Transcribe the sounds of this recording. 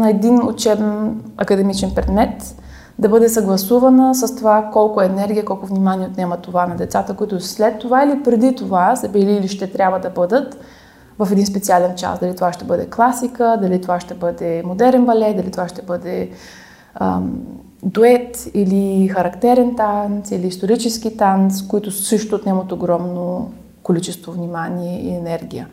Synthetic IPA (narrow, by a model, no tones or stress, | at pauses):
nɐɛd̪ino̰t͡ʃɛbɛnɐkəd̪ɛmit͡ʃɛnpɾɛd̪mɛt̪ | d̪ɐbɤd̪ɛsɐɡlˠɐsuvɐnəsəst̪ovakɔlˠkʊɛːnɛɾɡʲijəkɔlˠkʊvnimaniɛot̪nʲamət̪ovanɐd̪ɛt̪sat̪əkoit̪ʊslɛt̪ːovailipɾɛd̪it̪ovazɐbɛliːliʃt̪ɛt̪ɾʲjabvəd̪ɐbɤd̪ət̪ | vɐfɛd̪inspɛtsialɛnt͡ʃa̰sd̪ɐlit̪ovaʃt̪ɛbɤd̪ɛklˠasikəd̪ɐlit̪ovaʃt̪ɛbɤd̪ɛmod̪ɛɾɛnbɐlɛt̪̚d̪ɐlit̪ovaʃt̪ɛbɤd̪ɛ | ə̰ | d̪oɛt̪ilixɐɾɐkt̪ɛɾɛnt̪ansiliːst̪oɾit͡ʃɛsk̟it̪anskoit̪ʊsɤʃt̪oːt̪nɛmət̪oɡɾɔmno | kolit͡ʃɛst̪vovnimaniɛḭɛnɛɾɡʲijə̰